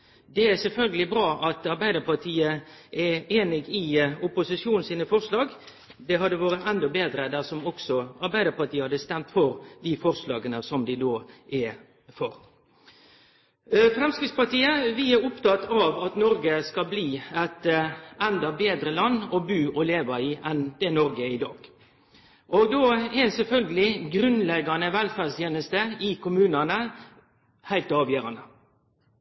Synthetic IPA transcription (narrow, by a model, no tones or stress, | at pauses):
d̪ɛæsɛlfœlɡəlɪbɾɑːʔɑt̪ɑɾbæɪd̪əɾpʰɑʈʰiːəʔɛeːnɪɡɪʊpʊsɪʂjuːnn̩siːnəfɔɾʂlɑːɡ | d̪ɛɦɑd̪əʋoːɾəɛnd̪ɔbeːd̪ɾəd̪æɾsɔmɔksɔɑɾbæɪd̪əpɑʈ̪iːəhɑd̪əst̪ɛmt̪fɔɾd̪ɪfɔɾslɑ̰ːɡənəsɔmd̪ɪd̪oːʔɛ | fɔɾ | fɾɛmskɾɪtspɑʈiːəʋɪæɾʊpt̪ɑt̪ːɑʋɑt̪nɔɾɡəskɑbliːɛt̪ɛnd̪ɑbeːd̪ɾəlɑnːɔbʉːʔɔleːʋəɪʔɛnd̪̥ɛnɔɾɡəɪd̪ɑ̰ːɡ̥ | ʔɔɡd̪oːɛsɛlfœlɡəlɪɡɾʉnlɛɡɑnəʋɛlfæːʁdst̪ʰjeːnəst̪əɪkʰʊmʉːnɑnə | hæɪlt̪ɑːʋjøːɾɑnə